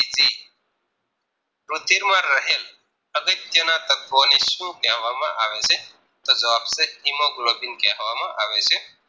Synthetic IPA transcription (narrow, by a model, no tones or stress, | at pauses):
id͡ʒiː | pɾʊt̪iɾmãɾəɦeːl | əɡəɾd͡ʒ̪ənãt̪ək̚ːoːneʃũːkãːɦʋamã̰ʔaːʋese | t̪oːzəʋaːbseɦimõːɡʊloːbinkeɦʋaːmãʔaːʋese